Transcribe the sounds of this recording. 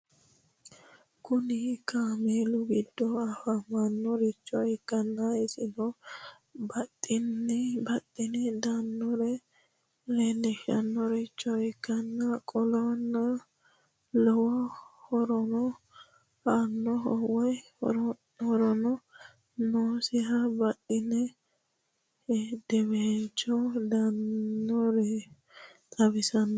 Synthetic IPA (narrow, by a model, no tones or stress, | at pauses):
kʰʊnɪkameːlʊɡɪd̪ːɔɐfɐmɐnːɔɾɪt͡ʃːɔɪkːɐnːɐɛsɪdɔ | bɐt̪ʼːɪnːɪbɐt̪ʼːɪnɪd̪anːɔɾɛ | lɛnːɛʃɐ̰nːɔɾɪt͡ʃʼːɔɪkːɐnːɐkʼɔlɔnːɐ | lɔwɔhɔɾɔnɔ | hanːɔɦɔwɔj | ɔɾ | hɔɾɔnɔ | nosɪhɐbɐt̪ʼːɪnɛ | d̪̥ɛβent͡ʃːɔd̪ɐnːɔɾɛ | t̪ʼɐbɪsɐnːɔ